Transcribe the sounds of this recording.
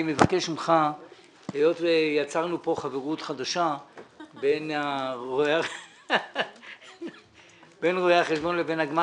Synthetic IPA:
mevakeʃimχa | hejo̞t̪vejat͡saʁnupo̞χaveʁutχad̪aʃabenaʁoea | benʁoeaχeʃbo̞nlebenaɡma

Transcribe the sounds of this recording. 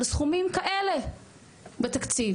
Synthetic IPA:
lesχumimkaʔele̞ | bet̪akt͡siv

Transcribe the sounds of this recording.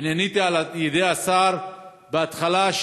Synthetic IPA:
nanit̪ialajed̪easaɾ | beat̪χalaʃ

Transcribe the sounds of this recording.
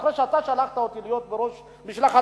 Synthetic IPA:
χɾeʃeat̪aʃalaχt̪aot̪ilijot̪̚beɾo̞ʃ | biʃlaχa

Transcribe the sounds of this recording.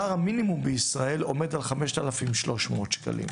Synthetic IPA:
aʁhaminimumbeisʁae̞lo̞̰me̞dalχame̞ʃt̪alafimʃlo̞ʃmot̪ʃka̰lḭm

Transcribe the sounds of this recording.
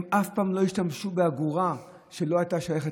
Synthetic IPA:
mʔafpaːmlo̞iʃtamʃubeaɡuʁa | ʃe̞lo̞ajt̪aʃajaχe

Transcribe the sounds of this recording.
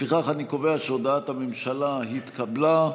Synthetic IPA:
fiχaχaniko̞ve̞aʃeod̪aat̪hamemʃalaɦit̪kabla

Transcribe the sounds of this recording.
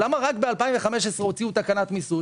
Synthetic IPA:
lamaʁakbealpaiɱveχameʃesʁeo̞t͡siut̪akanat̪misu

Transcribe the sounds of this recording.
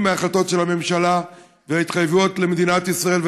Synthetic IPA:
meaχlat̪o̞tʃelhame̞mʃala | veait̪χajvuot̪le̞med̪inat̪isʁae̞lv

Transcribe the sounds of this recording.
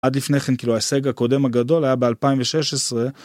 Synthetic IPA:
ad̪lifneχenkiːluaeseɡakode̞maɡado̞lhajabealpaiɱveʃeʃesʁe̞

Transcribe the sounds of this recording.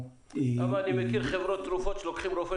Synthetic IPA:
avalanimekiɾχevɾot̪ːɾufot̪ʃelokχimɾofe

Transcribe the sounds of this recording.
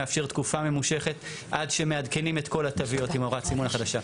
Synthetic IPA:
afʃeʁt̪kufame̞muʃe̞χe̞t | ʔadʃe̞meadke̞nime̞tko̞latavio̞timoʁasimunaχadaʃa

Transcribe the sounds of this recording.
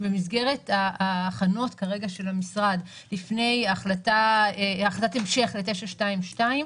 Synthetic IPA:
be̞mizɡe̞ʁe̞taaːχano̞tkaʁe̞ɡaʃe̞lamisʁad | lifne̞jaχlataː | χlat̪atemʃe̞χle̞te̞ʃaʃtaimʃtaim

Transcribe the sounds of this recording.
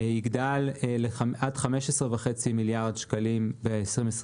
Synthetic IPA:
iɡdalːeaʔadχame̞ʃesʁevaχe̞t͡similjaʁdʃkalimbeesʁimesʁ

